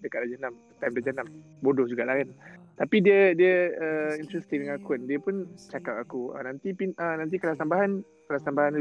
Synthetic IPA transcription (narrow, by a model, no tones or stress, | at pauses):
dəkat̚dad͡ʒanamət̪ajmdad͡ʒanam | bodɔhd͡ʒuɡaʔlahkant̪apidiədiəəint̪ɾɛst̪iŋdəŋakʊndiəpʊnt͡ʃakap̚akuə̰nant̪ipinʔənant̪̬ikəlasambaɦan | kəlasambaɦan